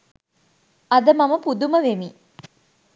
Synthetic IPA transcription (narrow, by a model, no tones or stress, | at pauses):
ɐd̪əmaməpud̪uməʋemi